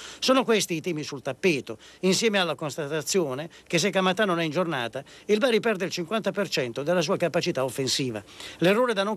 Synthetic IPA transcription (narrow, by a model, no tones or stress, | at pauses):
soːnokwest̪iːt̪iːmisult̪apːeːt̪oinsjɛːmealːakonst̪at̪at̪sːjoːne | k̟es̬ekːamat̪ːanːonɛind͡ʒorna̰ːt̪a | ilbaɾipɛrd̪eilt͡ʃiŋkwant̪apert͡ʃɛnt̪od̪elːas̬uːakapat͡ʃit̪aofːensiːva̰lerːoːɾed̪anːoŋ